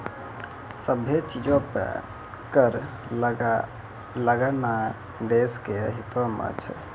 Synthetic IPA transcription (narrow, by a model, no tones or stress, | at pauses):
səbʱet͡ʃid͡ʒõpə̰ | kəɾ | ləɡəna | d̪eskeəɦit̪omə̰t͡ʃʰ